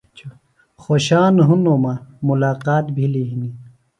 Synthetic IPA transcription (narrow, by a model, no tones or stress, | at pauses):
t͡ɕʰu | xoɕaːnɦunoːmamulaːqaːt̪bʱiliɦini